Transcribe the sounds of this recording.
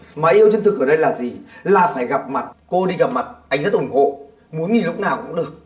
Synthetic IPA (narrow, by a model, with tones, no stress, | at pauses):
maː˨˩ʔi˧əwt͡ɕwnt̪ʰɨ˨˩k̚ʔəː˧˩ɗə˧jlaː˨˩zi˨˩laː˨˩faː˧˩jɣa˨˩p̚ma˨˩t̚ko˧ɗi˧ɣa˨˩p̚ma˨˩t̚ʔa˧˩jŋ̟zə˦˥t̚ʔʊ˧˩ŋ͡mho̰˧˨ | mu˨˦nŋi˨˩lʊ˦˥k͡p̚naː˨˩wkʊ̰˧˥ŋ͡mɗɨ˨˩ək̚